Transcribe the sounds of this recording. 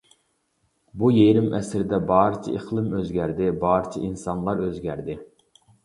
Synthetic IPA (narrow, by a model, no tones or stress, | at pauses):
bujeɾɪmɛsɾɪd̪ɛbɑːɾɨt͡ʃʰḭʔiχlˠɨmøzɡʲæɾd̪ɪbɑːɾɨt͡ʃʰɛ̰ʔinsɑnlˠɑɾøzɡʲæɾd̪ɪ